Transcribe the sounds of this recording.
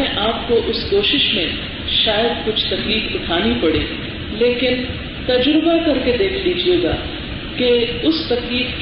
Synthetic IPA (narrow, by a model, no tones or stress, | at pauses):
ẽʔaːp̚koʔʊskoːʃɪʃmẽ | ʃaːjəd̪kʊt͡ʃʰt̪ɐkliːfʊʈʰaːnipɐɽeː | leːkɪn | t̪ɐd͡ʒɾʊbakɐɾked̪eːkʰliːd͡ʒieɡa̰ː | keʊst̪ɐkliːf